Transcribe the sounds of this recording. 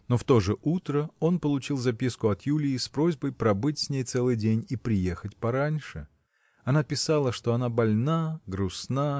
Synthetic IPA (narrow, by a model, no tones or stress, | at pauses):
no̞ft̪o̞ʐɨʔut̪ɾəo̞npəlˠʊt͡ɕilˠzɐpʲiskʊɐt̪julʲɪːspɾo̞zʲbəjpɾɐbɨtʲsʲnʲejt̪sɛlˠɨjdʲenʲipɾʲɪje̞xətʲpɐɾanʲʂɨ | ɐnapʲɪsalˠəʂt̪oɐnabɐlʲnaɡɾʊsna